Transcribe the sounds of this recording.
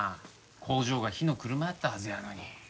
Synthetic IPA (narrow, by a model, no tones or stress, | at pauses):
kʰo̞ːʑo̞ːɡaçino̞kɯ̟ɾɯ̟maat̪ːaɦazɨjano̞ɲ̟i